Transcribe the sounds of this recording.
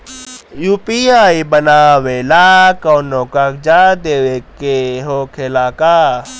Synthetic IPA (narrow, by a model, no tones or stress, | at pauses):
jupiaːibənaːʋelaːkɔːnoːkakd͡ʒaːd̪eːʋekeɦoːkʰelaːkaː